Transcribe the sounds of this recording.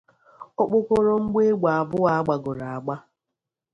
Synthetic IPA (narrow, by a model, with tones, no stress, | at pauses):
ɔ˦k͡pʊ˦ko˦ɾo˦ŋ͡m̩˦ɡ͡be˦ɡ͡ba˨a˨bʊ˦wa˦a˦ɡ͡ba˨ɡʊ˨ɾa˨a˨ɡ͡ba˦